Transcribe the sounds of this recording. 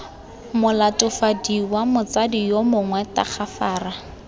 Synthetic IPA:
mʊlatʊfadiwamʊt͡sadijomʊŋwɛta̰k͡xʰafaːra

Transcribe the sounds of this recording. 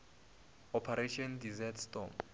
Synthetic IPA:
ɔpʰaɾeʃʰɔndizɛtʰstɔ̰m

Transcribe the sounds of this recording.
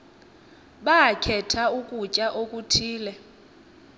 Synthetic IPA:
ɓaakʰɛtʰaukʼut͡ʃʼaʔokʼutʰiːlɛ

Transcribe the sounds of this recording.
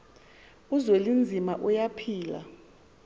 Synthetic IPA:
uzwelind͡zʱimaʔujapʰiːla̰

